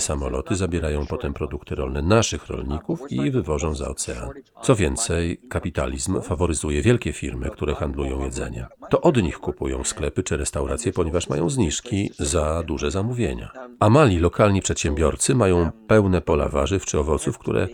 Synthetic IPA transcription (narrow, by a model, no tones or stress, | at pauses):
samɔlɔt̪ɘzabʲjɛɾajɔ̃w̃pɔt̪ɛmpɾɔd̪ukt̪ɘɾɔlnɛnaʂɘxɾɔ̰lɲikufivɘvɔʐɔ̃w̃za̰ɔt̪sɛa̰nt̪sɔvʲjɛnt̪sɛjkapʲit̪a̰lʲizmfavɔɾɘzujɛvʲjɛlkʲɛfʲḭɾmɘ̰kt̪uɾɛxand̪lujɔ̃w̃jɛd̪zɛ̰ɲɛ̰t̪ɔʔɔd̪ɲixkupujɔ̰̃w̃sklɛpɘt͡ʂɘɾɛst̪awɾat̪sʲjɛpɔɲɛvaʂma̰jɔ̰̃w̃zɲiʂkʲizad̪uʐɛzamuvʲjḛɲa̰amalʲilɔkalɲipʂɛt̪ɕɛmbʲjɔɾt̪sɘmajɔ̃w̃pɛwnɛpɔla̰va̰ʐɨft͡ʂɘɔvɔt̪sufkt̪ṵɾɛ̰